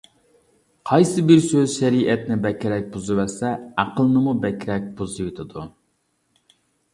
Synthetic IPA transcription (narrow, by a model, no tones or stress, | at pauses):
qʰɑjsɨbɪɾsøzʃɛɾiʔɛt̪nɪbɛkʲʰɾɛk̚ʲbuzɨvæɾsɛɑqəlˠnɨmubɛkʲɾɛk̚ʲbuzɨjet̪ʰɨd̪u